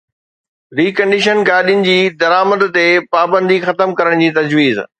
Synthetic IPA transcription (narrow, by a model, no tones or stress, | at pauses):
ɾiːkɐ̃ɳɖɪʃ̬ənɡaːɗijʊnɪ̆d͡ʑiːd̪ɐɾaːməd̪t̪epaːbə̃nd̪ixɐt̪əmkɐɾəɽ̃d͡ʑiːt̪ɐd͡ʑʋiːz